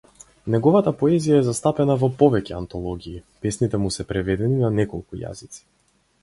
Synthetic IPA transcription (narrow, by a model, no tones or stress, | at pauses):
nɛɡɔvat̪apɔɛzijaɛzast̪apɛnavɔpɔvɛcɛant̪ɔlˠɔɡʲiːpɛsnit̪ɛmusɛpɾɛvɛd̪ɛninanɛkɔlˠkuja̰zit̪si̥